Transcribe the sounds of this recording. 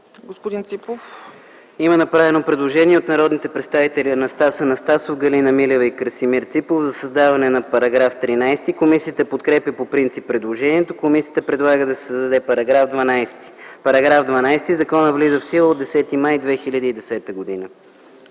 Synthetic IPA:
ɡospod̪int̪sipof | imənɐpɾavɛnopɾɛd̪lˠoʒɛniɛot̪nɐɾɔd̪nit̪ɛpɾɛt̪st̪avit̪ɛliənɐst̪asənɐst̪asofɡɐlinɐmilɛvəikəɾsimiɾt̪sipofzɐsɐzd̪avɐnɛnɐpɐɾɐɡɾaft̪ɾinajst̪ikomisiət̪əpot̪kɾɛpʲjəpopɾint̪sipːɾɛd̪lˠoʒɛniɛt̪okomisʲiət̪əpɾɛd̪lˠaɡəd̪ɐsɛ̥sd̪ɐd̪ɛpɐɾɐɡɾavd̪vɐnajst̪i̥pɐɾɐɡɾavd̪vɐnajst̪izɐkɔnəvlizəfsilˠəod̪ːɛsɛt̪imajd̪vɛxilʲəd̪iːd̪ɛsɛt̪əɡod̪inə

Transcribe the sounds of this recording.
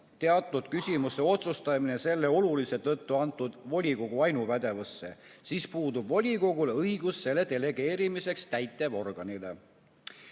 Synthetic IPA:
t̪e̞ɑt̪ˑːud̪̥̚kysʲimuse̞o̞t̪sust̪ɑmine̞se̞lːe̞o̞lulise̞t̪ɤt̪ːuɑnt̪ːˑud̪̥vo̞lʲiko̞ɡ̥uɑjnuvæd̪̥e̞vusːe̞̰siːspuːd̪ubvo̞lʲiko̞ɡ̥ulɤjɡ̥usːe̞le̞t̪e̞le̞ɡ̥e̞ːɾimise̞kst̪æjt̪ːˑe̞vo̞rɡ̥ɑnile̞̰

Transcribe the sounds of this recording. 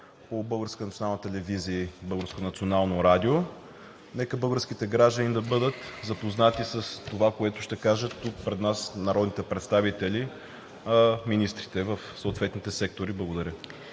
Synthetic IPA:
pobɤlˠɡəɾskənɐt̪sʲionalˠnət̪ɛlɛviziəbɤlˠɡəɾskonɐt̪sionalˠnoɾad̪io | nɛkəbɤlˠɡəɾsk̟it̪ɛɡɾaʒd̪ənid̪ɐbɤd̪ət̪zɐpoznat̪isəst̪ovakoɛt̪ʊʃt̪ɛkaʒət̪ːuk̚pɾɛd̪nasnɐɾɔd̪nit̪ɛpɾɛt̪st̪avit̪ɛli | minist̪ɾit̪ɛvəfsoːt̪vɛt̪nit̪ɛsɛk̚t̪oɾiblˠɐɡod̪ɐɾʲə

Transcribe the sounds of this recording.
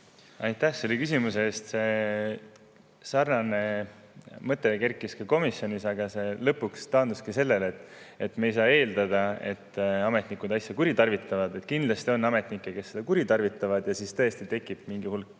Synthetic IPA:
ɑjt̪ːˑæhselekys̬imuseːst̪se̞ | sɑrnɑne̞ | mɤt̪ːˑekerkːˑiskɑko̞misːjo̞nisɑɡ̥ɑse̞lɤpːˑukst̪ɑːnd̪uskise̞lːe̞let̪ːˑ | e̞t̪mejsɑːe̞ːld̪̥ɑd̪̥ɑe̞̰t̪ːɑme̞t̪nikud̪ɑjsjɑkuɾit̪ɑrvit̪ːˑɑvɑd̪e̞t̪kind̪̥lɑst̪io̞nːɑme̞t̪nikːˑeke̞sːed̪ɑkuɾit̪ɑrvit̪ːˑɑvɑd̪̥jɑsist̪ɤ̞est̪it̪e̞kˑːib̥miŋɡihulkːˑ

